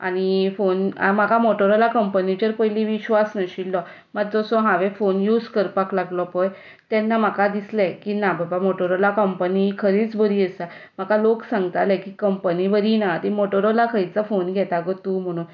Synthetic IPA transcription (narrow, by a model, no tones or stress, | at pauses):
a̰ñifonmakamoʈəɾɔlakəmpənid͡ʑəɾpəjliʋiɕʋasnəɕilːɔ | məɡd͡zɔsɔɦãʋefonjud͡zkəɾpaklaɡlɔpɔj | t̪jɛnːam̤akad̪isləkinababamoʈəɾɔlakəmpənikʰəɾiːt͡sbʱəɾiəsa | makaloksãŋɡt̪aləkikəmpəniʋəɾinat̪imoʈəɾɔlakʰəjt͡safonɡʱɛt̪aɡɔt̪uːm̤əɽ̃uːn